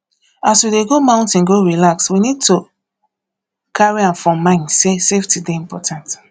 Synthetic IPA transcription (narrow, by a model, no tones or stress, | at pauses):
aswideɡomãʊ̃ntĩnɡoɹilakswinid̚to | kʰaɹiãmfɹɔ̃mãɪ̃nseseftideĩmpɔtʰãnt